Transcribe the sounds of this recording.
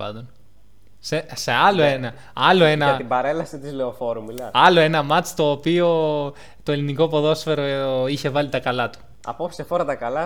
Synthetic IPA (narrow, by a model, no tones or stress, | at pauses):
ɐ̰nd̪on | sese̞ɐlo̞enɐ | ɐlo̞enɐɐt̪ibɐɾelɐsit̪izleofo̞ɾummilɐɐlo̞e̞nɐmɐt͡st̪o̞ːpio̞ | t̪oe̞liniko̞po̞ðo̞sfe̞ɾo̞içe̞vɐlit̪ɐkɐlɐt̪u̥ | ɐ̰pofsi̥sefoɾɐt̪ɐkɐlɐ